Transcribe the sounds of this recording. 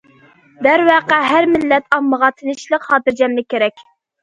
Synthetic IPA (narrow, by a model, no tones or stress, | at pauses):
d̪æɾwɑqæɦæɾmɪlːɛt̪ʰɑmːəʁɑt̪ʰɪnɪʃlˠəqhɑːt̪ɨɾd͡ʒɛmlɪkʲeɾɛkʲ